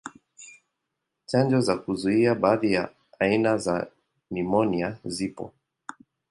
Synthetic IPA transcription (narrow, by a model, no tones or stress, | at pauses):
t͡ʃand͡ʒɔzakuzuiaɓaːðija | ainaza | nimɔniazipɔ̰